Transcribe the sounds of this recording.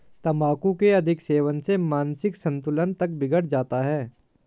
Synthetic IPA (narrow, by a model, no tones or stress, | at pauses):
t̪ɐmaːkũkeɐd̪ʱɪkseːʋənsemaːnsɪksɐ̃nt̪ʊlənt̪ɐk̚bɪɡəɽd͡ʒaːt̪aɦɛː